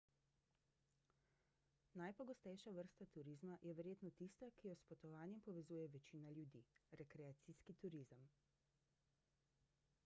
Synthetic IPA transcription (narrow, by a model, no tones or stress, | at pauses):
najpɔɡɔst̪ɛjʃaʋəɾst̪at̪uɾizmajɛʋɛɾjeːt̪nɔt̪ist̪akijɔspɔt̪ɔʋaːnjɛmpɔʋɛzuːjɛʋɛt͡ʃiːnaljud̪ḭɾɛkɾɛat̪siskit̪uɾizəm